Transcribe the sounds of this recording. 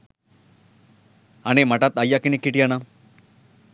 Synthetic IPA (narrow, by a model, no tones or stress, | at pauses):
añemaʈat̪ajːakinikiʈijana